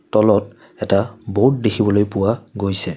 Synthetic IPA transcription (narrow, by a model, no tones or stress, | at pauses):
tɔlɔt̚ | ɛtabot̚dexʰibɔlojpʊwaɡojsɛ